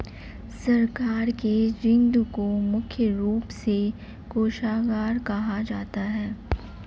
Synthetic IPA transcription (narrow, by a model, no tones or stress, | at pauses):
sɐɾkaːɾked͡ʒɪ̃nd̪ukomʊkʰjəɾuːpse | koːʃaːɡaːɾkɐɦad͡ʒaːt̪aɦɛː